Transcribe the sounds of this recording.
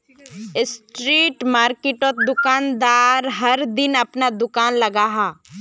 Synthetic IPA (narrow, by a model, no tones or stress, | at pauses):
ɪsʈɾiːʈmaːɾkɪʈot̪̚d̪ʊkaːnd̪aːɾɦɐɾd̪ɪnɐpnad̪ʊkaːnlɐɡaːɦaː